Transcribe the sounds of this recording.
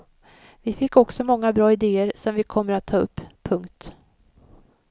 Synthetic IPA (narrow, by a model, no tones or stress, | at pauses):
vɪfɪkːɔksɔmɔŋːabɾɑːɪd̪eːəɾsɔmvɪkʰɔmːəɾat̪ʰːɑːɵ̰pʰːɵŋkt̪